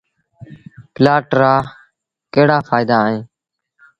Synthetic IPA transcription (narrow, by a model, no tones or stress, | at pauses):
pɪlaːʈɾaː | keːɽaːfʰaːɪd̪aːɦẽː